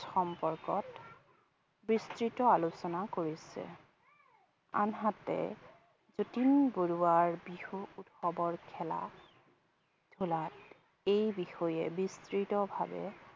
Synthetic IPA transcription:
xɔmpɔɹkɔt | bɹistɹitɔalusɔnakoɹisɛ̰ | a̰nɦatɛ̰ | zotinboɹuwaɹbixuːtxɔbɔɹkʰɛla̰ | d̥ʱulat | ejbixɔjɛbistɹitɔbʱa̰bɛ̰

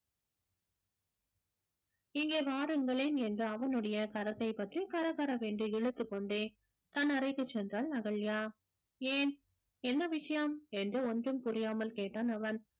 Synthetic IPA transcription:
ɪŋɡeːʋaːɾɯŋɡɐɭeːnɛndrɯɐʋɐnɯɽɐjɐkɐɾɐt̪ːɐɪpːɐt̪rikɐɾɐɣɐɾɐʋeːɳɖɯɪɻɯt̪ːɯkːɔɳɖeː | t̪ɐnːɐɾɐɪkːɯt͡ʃːɛndraːlnɐɣɐɭjaː | eːn | ɛnːɐʋɪʂɐjɐmɛndrɯɔndrɯmpʊɾɪjaːmɐlkeːʈːaːnɐʋɐn

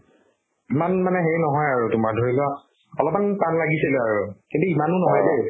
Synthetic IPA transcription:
imanmanɛɦeɹnɔɦɔjaɹutʊmaɹdʱoɹilʊa | ɔlɔp̚anpanlaɡisilɛaɹukintuimanʊnɔɦɔjde

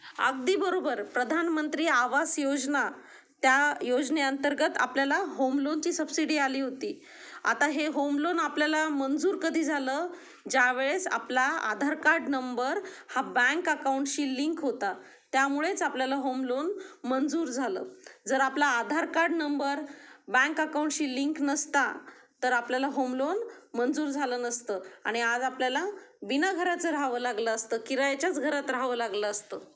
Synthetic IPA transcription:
ə̰ɡ̚d̪iːbəɾobəɾpɾəd̪ʱanmənt̪ɾiːaʋasjod͡zna | t̪jajod͡zneənt̪əɾɡət̪a̰pljalaɦomlont͡ɕiːsəbsiɽiːaliːɦot̪iː | a̰t̪aɦeɦomlonapljalamənd͡zuːɾkəd̪ʱiːd͡zʱaləː | d͡ʑaʋeɭesa̰plaa̰d̪ʱaɾkaɾɖnəmbəɾhabə̃ŋkəkawɳʈɕiːliŋkɦot̪a | t̪jamuɭet͡sapljalaɦomlonmənd͡zuːɾd͡zʱalə̰ːd͡zəɾaplaːd̪ʱaɾkaɾɖnəmbəɾbə̃ŋkəkawɳʈɕiːliŋknəst̪at̪əɾapljalaɦomlonmənd͡zuːɾd͡zʱaləːnəst̪əːaɽ̃iad͡zapljalaʋinaɡʱəɾat͡səɾaɦʋəlaɡləːst̪əːkiɾajet͡ɕjat͡sɡʱəɾat̪ɾaɦʋəːlaɡləəst̪əː

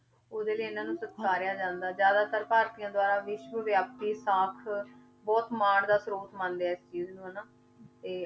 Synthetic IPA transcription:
oːd̪eːliːɪnãːnũːsət̪saːɾɪjaːd͡ʒãːnd̪aːd͡ʒjaːd̪aːt̪əɾpaːɾt̪ijãːd̪ʊaːɾaːʋɪʃʋəʋjaːp̚t̪iːsaːkʰ | bɔːt̪maːɽd̪aːsɾoːt̪mãːnd̪eaːɪst͡ʃiːznũːɦənaː | t̪eː

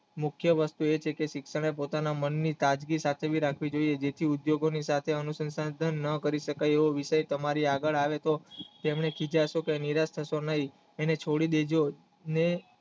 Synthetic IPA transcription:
mʊkʰjəʋəst̪uet͡ʃʰekeʃɪkʃəɳ̃epot̪anamənːit̪ad͡ʒɡisat̪ʰeʋiɾakʰʋid͡ʒoied͡ʒet̪ʰiud̪joɡonisat̪ʰeənusənsad̪ʱənːəkəɾiʃəkajeʋoʋɪʃəjt̪əmaɾiaɡəɭaʋet̪ot̪emɳekʰid͡ʒaʃokeniɾast̪ʰəʃonəɦi | enet͡ʃʰoɽid̪ed͡ʒo | ne

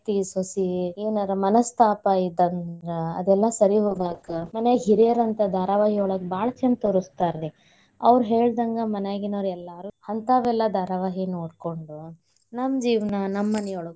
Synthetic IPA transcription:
t̪isosieːnɐɾɐmɐnɐst̪ʰaːpɐid̪ɐnd̪ɾɐɐ̰d̪ɛlːɐsɐɾiɦoːɡaːkɐmɐneɦiɾiɐɾɐnt̪ɐd̪ʱaːɾɐʋaːɦiɔɭɐɡbaːɭɐt͡ʃɐnt̪oɾust̪aːɾli | ɐʋɾuɦeːɭd̪ɐŋɡɐmɐnaːɡinɐʋɾɛlːaːɾuhɐnt̪aːʋɛlːɐd̪ʱaːɾɐʋaːɦinoːɽkoɳɖu | nɐmd͡ʒiːʋnɐnɐmːɐnɛjoɭɐɡ

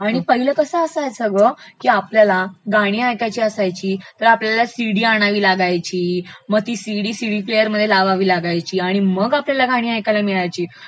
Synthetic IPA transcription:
aɽ̃ipəɦiləːkəsəəsaesəɡʋəkiːapljalaɡʱaɽ̃iːajkat͡ɕiːəsajt͡ɕiːt̪əɾapljalasiɽiːaɽ̃aʋiːlaɡajt͡ɕiːməɡ̚t̪iːsiɽiːsiɽiːplejəɾməd̪ʱːjelaʋaʋiːlaɡajt͡ɕiːaɽ̃iməɡapljalaɡʱaɽ̃iːajkalamiɭajt͡ɕiː

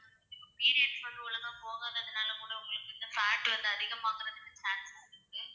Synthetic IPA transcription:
ɐlɐɪpːɐpiːɾɪjɐʈsɐɾuːlɐðãːpoːɣaːŋɐːðɐnaːlɐkuːɽɐʊŋɡɐɭɯkːɯɪnd̪ɐfaːʈːʋɐnd̪ɯɐðɪɣɐmaːkɯɾɐðɪnːɐt͡ʃaːnsaɪɡɐ

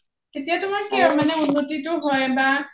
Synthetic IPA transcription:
tetijatʊmaɹkɛɔɹmanɛunːotitʊɦɔjba

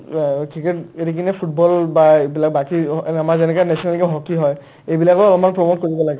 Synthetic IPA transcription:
kɹikɛteɹikinɛpʰut̚bɔlbaejbilak̚bakiamaɹzɛnɛkanɛsʰɔnalɡɛɦɔkiɦɔj | ejbilakɔɔlɔmanpɹɔmot̚koɹibɔlaɡɛ

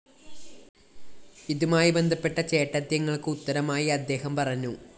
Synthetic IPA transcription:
iðumaːjibe̞nd̪ʱɐpːe̞ʈːɐt͡ɕe̞ːʈːɐd̪jɐŋːɐɭkɨut̪ːɐɾɐmaːjiɐd̪ːe̞ːhɐmpɐrɐɲːu

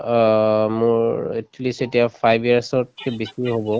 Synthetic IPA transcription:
mʊɹetʰlisetiapʰajbiaɹsɔt̚kɛbisiɹɦobɔ

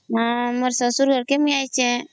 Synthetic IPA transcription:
ɦãməɾsəsuɾɡʱəɾkemĩajt͡ʃʰe

